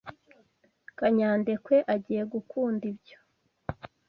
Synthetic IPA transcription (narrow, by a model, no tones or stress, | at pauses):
kaɲaːnde̞kwe̞ʔaɟiːje̞ɡukʰuːndibɟo̥